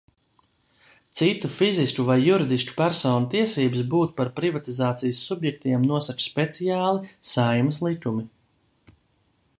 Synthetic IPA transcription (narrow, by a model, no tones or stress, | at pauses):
t̪sit̪ufiziskuvajːuɾid̪isku̥pæɾsɔːnut̪iɛsiːbɨs̬buːt̪̚paɾpɾivat̪izaːt̪sijəsːubjɛk̚t̪iɛmnuɔsat͡ʃspet̪sijaːlˠisajmɐslˠit̪umi